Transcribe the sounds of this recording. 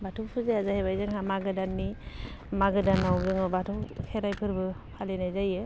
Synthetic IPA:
batʰupʰɯzeazahebajzɯŋɦamaɡɯdanːimaɡɯdanawzɯŋɯbatʰuwkʰeɾajpʰɯɾbɯpʰalenajzajɯ

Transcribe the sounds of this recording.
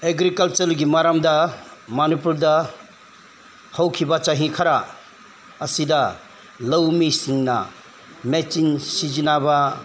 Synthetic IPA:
eɡɾikɐlt͡ʃɐlɡimaɾamdɐmanipuldɐ | hɐwkʰibat͡ʃaɦikʰaɾa | ɐsidɐ | lɐwmisiŋnɐ̰ | met͡ʃinsizinaba

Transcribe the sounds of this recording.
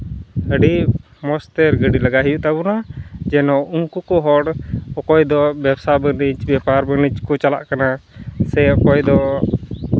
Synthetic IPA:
həɖi | mɔst̪ɛɾɡəɖiləɡaɦɛjuʔt̪abɔnad͡ʒɛnɔuŋkukɔɦɔɽɔkɔjd̪ɔbɛbsabənit͡ʃbɛpaɾbənid͡ʒkɔt͡ʃala̰ʔkanasɛɔkɔjd̪ɔ

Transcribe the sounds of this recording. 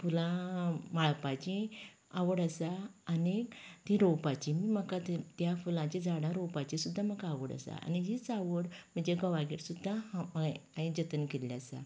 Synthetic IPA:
fulãmaɭpat͡ɕĩ | aʋəɽəsaənekt̪ĩɾɔpat͡ɕimiːməkat̪t̪jafulãt͡ɕẽd͡zaɽãɾɔpat͡ɕisud̪ʱːaməkaʋəɽə̰sa̰a̰niɦit͡saʋəɽm̤əɳd͡ʑeɡəʋaɡiɾsud̪ʱːa | aĩd͡ʑət̪ənkelːasa̰

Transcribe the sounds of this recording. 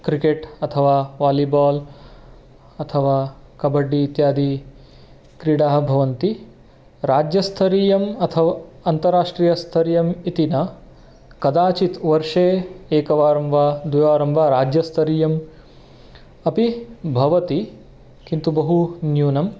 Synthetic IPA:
kɾikeʈɐt̪ʰɐʋaːʋaːlibaːl | ɐt̪ʰɐʋaːkɐbɐɖːiːt̪jaːd̪ʱi | kɾiɽaːɦɐbʱɐʋɐnt̪i | ɾaːd͡ʒjɐst̪ʰɐɾiːjɐmɐt̪ʰɐʋaɐnt̪ɐɾaːʂʈɾiːjɐst̪ʰɐɾijɐmit̪inɐ | kɐd̪aːt͡ʃit̪ʋɐɾʂeːeːkɐʋaːɾɐmʋaːd̪ʋiʋaːɾɐmbʱaɾaːd͡ʒjɐst̪ʰɐɾiːjɐm | ɐpibʱɐʋɐt̪i | kint̪ubɐɦunjuːnɐm

